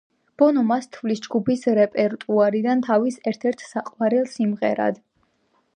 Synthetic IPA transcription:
b̥ɔnɔmast̪ʰvlisd͡ʒɡupʰisɾɛpʼɛɾt̪ʼuaɾid̪ant̪ʰavisɛɾt̪ʰɛɾt̪ʰsaqʼwaɾɛlˠsimʁɛɾa̰d̪

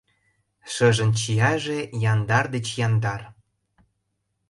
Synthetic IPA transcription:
ʃɤ̆ʒə̆nt͡ɕiɑʒejɑnd̪ɑrd̪ĕt͡ɕjɑnd̪ɑr

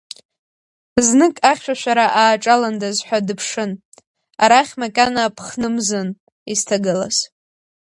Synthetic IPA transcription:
znɨkʼaχʲʃʷᶣaʃʷᶣaɾaʔaːʈ͡ʂʼalandazħʷᶣadɨpʰʂɨn | aɾaχʲmakʼanapʰχnɨmzon | iztʰaɡɨla̰z̥

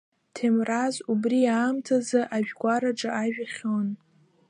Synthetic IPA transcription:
tʰemrazubriaːmtʰazaʔaʒᶣɡʷaɾaʈ͡ʂʼaʔaʒᶣaχʲon

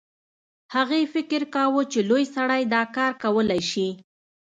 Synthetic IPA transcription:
haɣefɪkɪɾkɑwut͡ʃelojsaɽajd̪ɑkɑɾkawəlajʃi

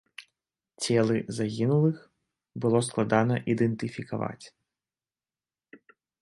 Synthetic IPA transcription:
t͡sʲɛlˠɨzaɣʲinulˠɨx | bɨlˠɔsklˠad̪anɐʔid̪ɛnt̪ɨfʲikava̰t͡sʲ

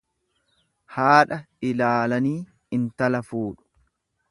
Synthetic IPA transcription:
haːᶑɐ | ɪlaːlɐniː | ɪnt̪ɐlɐfuːᶑʊ̥

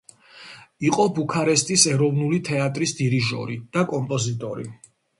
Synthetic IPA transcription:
iqʼɔbukʰaɾɛst̪ʼisɛɾɔvnulit̪ʰɛat̪ʼɾisd̪iɾiʒɔ̰ɾid̪̥akʼɔmpʼɔzit̪ʼɔɾḭ

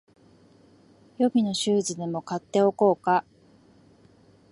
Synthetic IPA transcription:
jo̞bʲino̞ɕɨːʑid̪e̞mo̞kat̪ːe̞o̞ko̞ːka

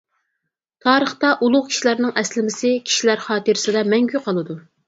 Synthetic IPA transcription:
t̪ʰɑːɾəχt̪ɑʔulˠʊʁkʲʰi̥ʃilæɾnɨŋʔɛslɪmɪsɪkʲʰi̥ʃilæɾχɑːt̪ɨɾɪsɪd̪ɛmɛŋɡʲyqʰɑlˠɨd̪u

